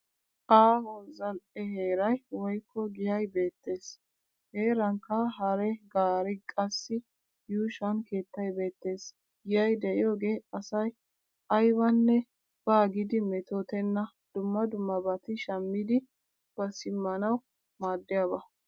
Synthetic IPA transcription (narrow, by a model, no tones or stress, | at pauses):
ʔaːhɔzɐlʔɛɦe̞ːɾɐjwɔjkːɔɡɪjɐjbe̞ːt̪ːe̞ːs | he̞ːɾɐŋkːɐɦɐɾɛɡaːɾɪkʼɐsːɪ | juːʃɐnke̞ːt̪ːɐjbe̞ːt̪ːe̞ːs | ɡɪjɐjd̪ɛʔɪjoːɡe̞ːɐsɐj | ɐjbɐnːɛ | b̥aːɡɪd̪ɪmɛt̪ot̪ɛnːɐ | d̪̥ʊmːɐd̪ʊmːɐbɐt̪ɪʃɐmːɪd̪ɪ | b̥ɐsɪmːɐnɐw | maːd̪ːɪjaːbɐ